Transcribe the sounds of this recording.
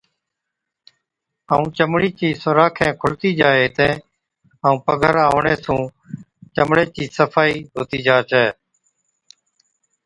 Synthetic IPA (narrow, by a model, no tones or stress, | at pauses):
aːũːt͡ʃəmɽiːt͡ʃiːsʊɾaːkʰẽːkʰʊlt̪iːd͡ʒaːeːɦɪt̪ẽː | aũːpəɡʱəɾaːʊɳeːsũː | t͡ʃəmɽeːt͡ʃiːsəfʰaːiːɦoːt̪iːd͡ʒaːt͡ʃɛː